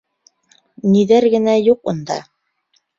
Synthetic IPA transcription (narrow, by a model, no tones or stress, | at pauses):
niðæɾɡɘ̆næjuqṵnd̪ɑ̰